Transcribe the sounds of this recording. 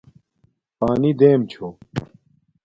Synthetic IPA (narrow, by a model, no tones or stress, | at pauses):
paːnid̪eːmt͡ɕʰoː